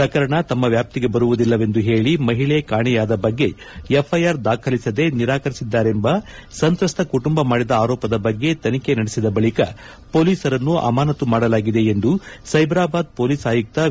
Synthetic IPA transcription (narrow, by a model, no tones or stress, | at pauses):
pɾɐkɐɾɐɳɐt̪ɐmːɐʋjaːp̚t̪iɡe̞bɐɾuʋud̪ilːɐʋe̞nd̪uɦe̞ːɭimɐɦiɭekaːɳɛjaːd̪ɐbɐɡːe̞ | epʰːɐjaːɾd̪aːkʰɐlisɐd̪e̞niɾaːkɐɾisid̪ːaːɾe̞mbɐ | sɐnt̪ɾɐst̪ʰɐkuʈumbɐmaːɽid̪ɐaːɾɔːpɐd̪ɐbɐɡːe̞t̪ɐnike̞nɐɽesid̪ɐbɐɭikɐ | po̞ːliːsɐɾɐnːuɐ̰maːnɐt̪umaːɽɐlaːɡid̪e̞ːnd̪usɐjbɾaːbaːd̪̚po̞ːliːsaːjuk̚t̪ɐ